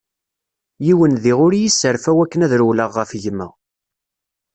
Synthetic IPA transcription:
jiwənðiʁʊɾjisːəɾfæwækːənæðɾuwləʁːəfʝəmːə̰

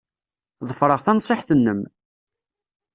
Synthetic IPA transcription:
ðˤəfɾˤəʁθænsˤeħθənːəm

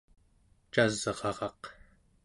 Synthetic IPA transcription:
t͡ʃazʁɑʁɑq

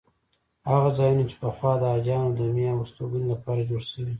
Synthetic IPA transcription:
haɣazɑjunat͡ʃe̥pəxwɑd̪əad͡ʒɑnod̪əmjɑwast̪oɡunolapɑɾad͡ʒoɽʃəwi

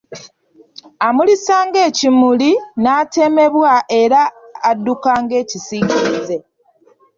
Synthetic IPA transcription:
amulisaːŋɡe̞ːcimulinaːte̞me̞βwaʔe̞ɾaːdːukaːŋɡe̞ːcisiːɡiize̞

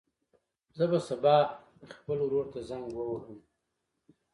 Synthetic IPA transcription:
zəbasabɑ | xpəlwɾoɾt̪azaŋɡwəwɾəm

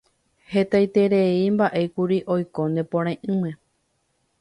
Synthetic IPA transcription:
he̞t̪ajt̪e̞ɾeimbaʔe̞kuɾiʔo̞jko̞nd̪e̞põɾ̃ãʔɨ̃mẽ̞

